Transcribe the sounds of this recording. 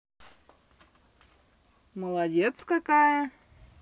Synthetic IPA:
məlˠɐdʲet̪skɐkajə

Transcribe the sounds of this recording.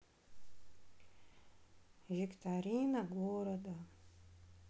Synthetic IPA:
vʲikt̪ʰaɾʲinɐɡoːɾɐd̪ɐ

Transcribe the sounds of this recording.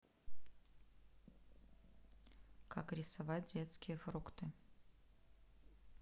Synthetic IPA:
kʰakɾʲɪsavat̚ʲdʲet̪skʲɪjəfɾukt̪ɨ

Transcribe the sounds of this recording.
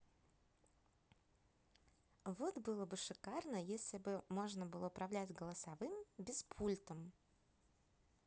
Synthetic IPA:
vot̪bɨlˠəbɨʂɨkarnəjesʲlʲɪbɨmo̞ʐnəbɨlˠəʊpɾɐvlʲætʲɡəlˠəsɐvɨmbʲɪspʰulʲt̪əm

